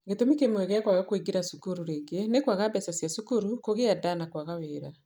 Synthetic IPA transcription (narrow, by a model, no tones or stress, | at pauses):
ɡetomikemwɛɣɛkwaɣakoiɡiɾasukuɾuɾeːɡenekwaɣabɛsasjasukuɾukoɣeadanakwaɣaweɾa